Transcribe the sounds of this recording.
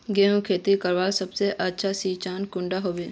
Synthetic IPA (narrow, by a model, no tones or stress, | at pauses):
ɡeːɦũkʰeːt̪ikəɾʋaːsɐbseʔətːʃʰasiːt͡ʃaːnkʊ̃ɳɖaɦoːʋeː